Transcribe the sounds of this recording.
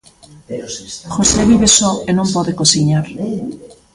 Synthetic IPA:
xoseβiβesɔenõmpɔðekosiɲaɾ

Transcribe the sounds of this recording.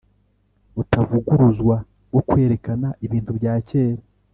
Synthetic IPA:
utavuɡuɾuzɡwa | ɡo̞kwe̞ːɾe̞kanaʔiβiːntubɟaːce̞ːɾa

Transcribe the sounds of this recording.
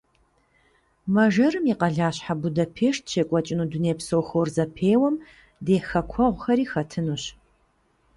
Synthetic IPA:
mɐʒɐɾɨmiqɐɮaːɕħabʊdɐpʰeːʂt̚ʰʃʰeːkʷʼɔt͡ʃʼɪnuduneːpsowxorzɐpʰeːwɐm | deːxɐkʷʰɔʁʷxɐɾiːxɐtʰɨnuɕ

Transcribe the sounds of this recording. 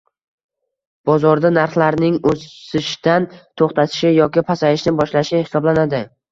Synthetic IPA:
b̥ɒzɒɾd̪anaɾχlaɾnɪŋosɪʃd̪ant̪ʰoχt̪at̪ʰɪ̥ʃɪjɒkʲɪpʰasaɪʃnɪbɒʃlaʃɪhɪ̥sɒblanad̪ɪ

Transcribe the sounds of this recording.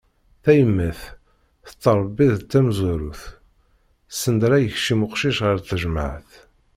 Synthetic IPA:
θæjəmːəθ | θə̥t̪ˤːəɾˤbːiðt̪ːæmzuɾuθ | sːənd̪ɾæjəçʃimʊqʃiʃʁəɾθəʒəmaʕəθ

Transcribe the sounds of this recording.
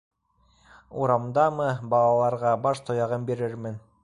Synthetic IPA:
uɾɑmd̪ɑmɤbɑlˠɑlˠɑɾʁɑbɑʃt̪ʰŏjɑʁɤmbeɾɘɾmɘn

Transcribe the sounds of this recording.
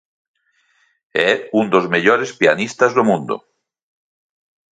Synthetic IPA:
ɛund̪ozmeʎoɾespianist̪azðomũnd̪o̰

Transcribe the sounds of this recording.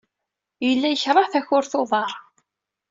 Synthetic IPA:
jəlːæjəçɾˤɑθæçʊɾθoðˤɑɾˤ

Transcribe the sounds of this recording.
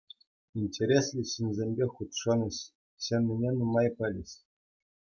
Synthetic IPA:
inʲtʲeɾʲesʲlʲiɕinʲzʲemʲbʲeχut̪ʂɤ̆nʲɤ̆ɕ | ɕemʲnʲɘ̆nʲenumɑjpɤ̆lʲɘ̆ɕ

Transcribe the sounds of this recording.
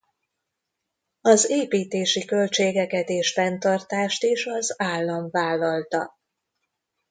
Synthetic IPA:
ɒzeːpiːt̪eːʃikø̞lt͡ʃeːɡɛkɛt̪eːʃfɛnt̪ɒrt̪aːʃt̪eʃɒzaːlːɒɱvaːlːɒlt̪ɒ

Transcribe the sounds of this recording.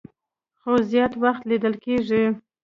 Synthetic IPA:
xozjɑt̪waxt̪lid̪əlkeʐi

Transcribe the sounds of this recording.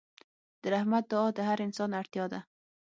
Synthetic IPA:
d̪̥əɾahmat̪̚d̪ʊɑd̪əɦaɾɪnsɑnaɾt̪jɑd̪a

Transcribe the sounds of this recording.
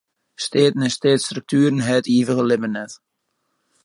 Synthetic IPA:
steːtnɛsteːtst̪ɾɵk̚tʰyːɾən̩ɦɛːtiːvəɣəlɪmənɛt

